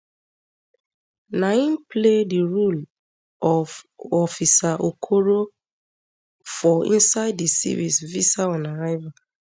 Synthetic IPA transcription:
naĩnplediɹol | ʔɔvɔfisaʔokʰoɹo | fɔḭ̃nsaɪdisḭvisvisaɔ̃naɹaɪva

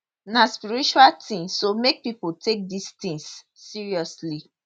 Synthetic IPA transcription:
naspiɹit͡ʃualtĩsːomek̚piputek̚distĩŋsː | iɹiɔsli

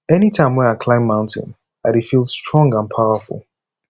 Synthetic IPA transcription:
ɛnitʰãɪ̃mwɛ̃naɪkʰlãɪ̃mmãʊ̃ntʰɪ̰̃n | aɪɾefilˠdstʰɹ̥ɔ̃ŋɡãnpʰaʊəfʊ̰lˠ

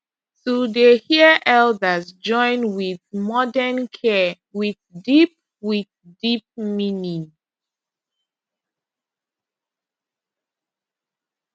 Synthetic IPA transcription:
tudehiəʔɛldəzd͡ʒɔ̃ɪ̃nwiðmɔdənkʰɛ | wiðdip̚ | wið | dip̚mĩnĩ

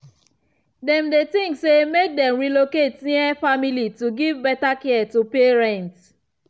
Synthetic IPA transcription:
dɛ̃mdetĩŋksemek̚dɛ̃mɹiloketniɛfamilituɡivbɛtakɛtupeɹɛ̃nt

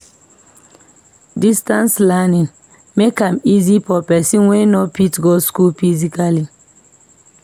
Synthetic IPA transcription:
distãnslɛnĩn | mekãmizifɔpɛsinwenɔpitɡoskulfizikali

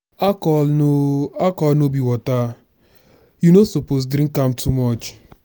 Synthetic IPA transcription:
akɔoakɔlnobiwɔta | junosopos̬dɾĩkamtʰumɔt͡ʃ

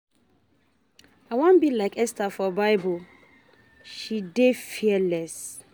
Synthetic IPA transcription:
awãnbilaɪkɛstafɔbaɪbu | ʃidefiɛlɛs

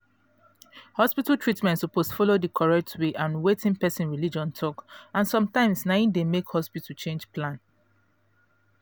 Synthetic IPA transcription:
hɔspitaltʰɹitmɛ̃ntsuposfɔlodəkʰɔɹɛk̚tʰweʔãnwetʰĩnpɛsĩnɹilid͡ʒɔ̃ntʰɔkãnsɔ̃mtãɪ̃msnãɪ̃ndemekhɔspitat͡ʃẽnd͡ʒplãn

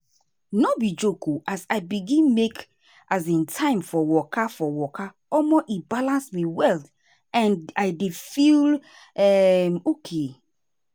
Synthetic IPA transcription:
nɔbid͡ʒokʰuʔasaɪbiɡĩnmek | ʔas̬ẽntʰãɪ̃mfɔwɔkafɔwɔkʰa | ɔmoʔibalãnsmiwɛlt | ãnaɪdefil | ɛmokʰe

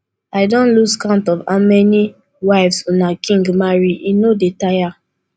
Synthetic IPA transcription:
aɪdõnluskãʊ̃ntɔva̰mɛni | waɪvsonakʰĩŋɡmaɹiinodetaja

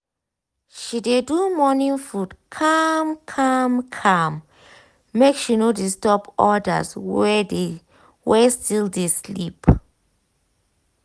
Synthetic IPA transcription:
ʃidedumɔnĩnfudkʰamkʰamkʰãmː | ekʃinodestɔpɔda̰sɛ | wɛstildeslip

